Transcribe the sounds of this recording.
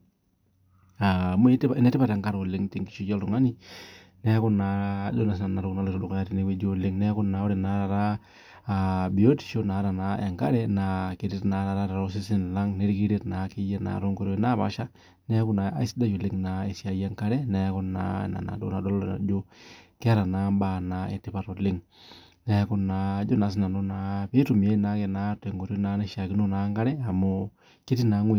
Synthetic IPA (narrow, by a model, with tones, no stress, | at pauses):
a˨mo˦ta˨ɪ˦nɛ˦tɪ˦ba˦˨ta˨ŋka˦ɾo˨lɪ˦ŋti˨ŋki̥˦ʃo˦d͡ʒa˦ltʊ˨ŋa˦ni˦ | nɛ˦a˦kʊ˦na˨do˦na˨s̬na˨na˨ɾo˦kna˨le˨ɾo˨dʊ˨kja˦tɪ˨ne˦we˦d͡ʒo˦lɪ˦ŋnɛ˦kʊ˦na˨o˦ɾɪ˨na˨˦ɾa˨ɾaː˦˨ | bi˨o˦ti̥˨ʃo˦na˨˦ɾa˨na˨ɛ˨ŋka˦ɾɛ˦na˨ke˨ɾɪ˦tna˨˦ɾa˨ɾa˦ɾa˨ɾo˦s̬ɪ˦sɪ˦n˨la˦ŋne˦ɾki˦ɾe˦tna˨ki˦je˦na̰˨ɾo˦ŋko˦ɾo˦na˦ba̰˦ʃa˦ | nɛ˦ku˦na˨a˦i˦si˦da˦t͡ʃo˨lɪ˦ŋna˨e˨sja˨˦ja˦ŋka˦ɾɛ˦nɛ˨˦kɔ˦na̰˦˨na̰˨na̰˨do˦na˨dɔ˦lna̰˨d͡ʒo˦kɛ˦a˦ɾa˨na˦mba˦na˨ḛ˨ti˨pa˦ɾo˨lɪ˦ŋ | na˨˦kɔ˦na˨˦d͡ʒo˦na˨s̬ɪ˦na˨no˦na˨pe˦tu˨m˨e˦na˦ke˨na˦te˨ŋɡo˨ɾjo˦na˦ne˦ʃa˨kɪ˦no˦na˨˦ŋɡa˦ɾɛ˦a˨mo˦ | ke˦ti˦na˨˦ŋwe˨